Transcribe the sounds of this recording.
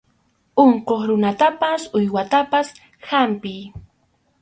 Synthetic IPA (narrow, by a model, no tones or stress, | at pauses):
oɴqoχɾʊnat̪apasʊjwat̪apas | hampɪj